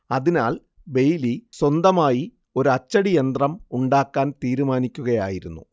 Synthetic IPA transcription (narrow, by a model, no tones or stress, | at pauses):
ɐðinaːɭ | be̞jliswɐnd̪ɐmaːji | o̞ɾuɐt͡ɕːɐɽijend̪rɐmuɳɖaːkːaːnt̪iːɾumaːnikʲːuɣɐja̰ːjiɾunːṵ